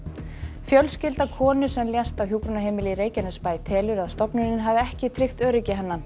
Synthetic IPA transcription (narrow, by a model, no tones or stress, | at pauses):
fjœlscɪlt̪akʰɔːnʏsɛmljɛst̪awçjuːkɾʏnaɦeːjmɪlɪiɾeːjcanɪspaːjt̪ʰɛːlʏɾaðst̪ɔpnʏnɪnɦavɪɛhcɪt̪ʰɾɪxt̪œːɾɪcɪɦanːan